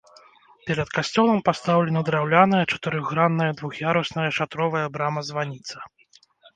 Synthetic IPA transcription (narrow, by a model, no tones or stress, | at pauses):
pʲɛɾɐt̪kasʲt͡sʲɔlˠɐmpast̪awlʲɛnɐd̪ɾawlʲanɐjɐt͡ʂɐ̥t̪ɨɾɨɣːɾanːɐjɐd̪vuxjaɾɔsnɐjɐʂat̪ɾɔvɐjɐbɾamɐzvanʲit̪sɐ̥